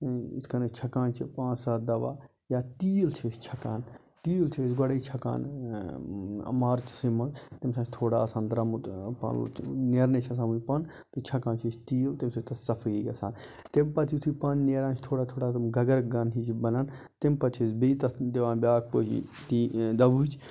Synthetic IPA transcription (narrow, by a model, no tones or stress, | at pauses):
iskɐnɐt͡ʃʰɐkaːnt͡ʃʰipãːnsaːd̪ɐʋa̰ː | jaːt̪iːlt͡ʃʰeʃt͡ʃʰɐkaːn | t̪iːlt͡ʃʰesɡɐɽɐit͡ʃʰɐka̰ːn | ɐ̰maːɾt͡ʃʰsimɐnzt̪emsãːt͡ʃʰt̪ʰoːɽaːsãːnd̪ɾɐmut̪pɐ̰nneːɾnet͡ʃʰɐs̬ãːmuipɐn | t̪ut͡ʃʰɐkãːnt͡ʃʰit͡ʃt̪iːlt̪emsʰet̪ɐssɐfʰɐjjɐsaːn | t̪empɐt̪ʰit̪ʰipɐnneːɾãːnt͡ʃʰt̪ʰoːɽaːt̪ʰoːɽaːt̪ɐmɡɐɡɐɾɡɐnɦit͡ʃbɐnaːn | t̪empɐt̪ʰisbeit̪ɐd̪eʋãːnbʲaːk̚poːt͡ʃḭt̪id̪ɐʋuːt͡ʃ